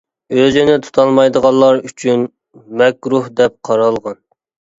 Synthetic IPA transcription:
øzɪnɪt̪ʰu̥t̪ʰɑlˠmɑjd̪əʁɑlˠːɑɾyt͡ʃʰyn | mɛkʲɾuhd̪ɛp̚qʰɑɾɑlˠʁɑn

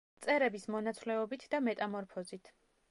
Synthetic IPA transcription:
t̪sʼɛɾɛbismɔnat̪sʰlɛɔbit̪ʰd̪amɛt̪ʼamɔɾpʰɔzit̪ʰ

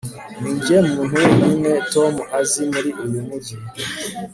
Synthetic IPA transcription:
niːɲɟemmuːn̥huninetomuʔazimuɾiʔulimuɟi

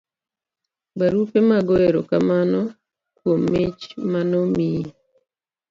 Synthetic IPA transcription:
baɾupemaɡɔeɾokamanɔ | kwomːet͡ʃmanɔmi

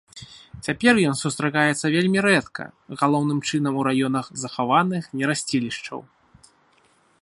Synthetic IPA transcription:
t͡sʲapʲɛrjɔnsust̪ɾakajɛt̪sːɐvʲelʲmʲiɾɛt̪kɐ̰ɣalˠɔwnɨmt͡ʂɨnɐmuɾajɔnɐxzɐxavanɨxnʲɛɾasʲt͡sʲilʲiʂt͡ʂɐ̰w

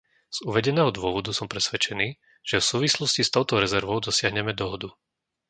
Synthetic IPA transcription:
z̥uʋɛɟɛnɛːɦɔd̪ʊɔʋɔd̪usɔmpɾɛsʋɛt͡ʃɛniː | ʒ̥ɛfsuːʋislɔscist̪ɔʊt̪ɔɾɛzɛɾʋɔʊd̪ɔsɪaɦɲɛmɛd̪ɔɦɔd̪u

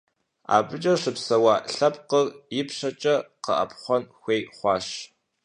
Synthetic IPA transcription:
a̰ːbɨt͡ʃʼɐʂɨpsɐwɑːɬɐpqərjɪpɕɐt͡ʃʼɐqə̰ʔɐ̰pχʷɔnxʷeːjχʷɑːʃ

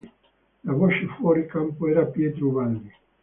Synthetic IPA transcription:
lavot͡ʃefwɔːɾikampoɛːɾapjɛt̪ɾuvalːi

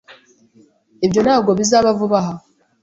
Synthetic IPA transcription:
eβjo̞naːbɡo̞βizaːβavuβaɦa

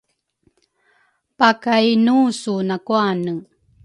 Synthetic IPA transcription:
pakajnusunakuanə

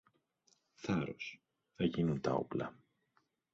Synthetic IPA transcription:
θɐɾo̰s | θɐʝinunt̪ɐo̞̰plɐ

